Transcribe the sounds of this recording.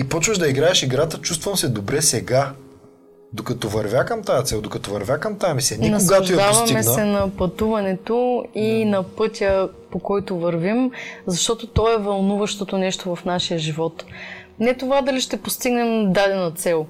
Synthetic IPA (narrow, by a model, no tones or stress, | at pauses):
ipɔt͡ʃvəʒd̪ɐiɡɾaɛʃiɡɾat̪ət͡ʃust̪vɐmsɛd̪obɾɛsɛɡa | d̪okɐt̪ɔvɐɾvʲakɐmt̪ajɐt̪sɛlˠd̪okɐt̪ɔvɐɾvʲjakɐmt̪aɛmisɛnɛnɐɡaʒojd̪avɐmiɛssɛnɐpɐt̪uvɐnɛt̪oinɐpɤt̪ʲə | pokɔjt̪ovɐɾvimzɐʃt̪ɔt̪ot̪ɔɛvɐlˠnuvɐʃt̪ot̪onɛʃt̪ovɐfnaʃijəʒivɔt̪ | nɛt̪ovad̪ɐliʃt̪ɛpost̪iɡnɛmd̪ad̪ɛnot̪sɛlˠ